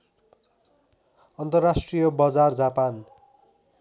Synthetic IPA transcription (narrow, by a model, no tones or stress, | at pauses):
ʌnt̪ʌrːasʈrijʌbʌd͡zard͡zapan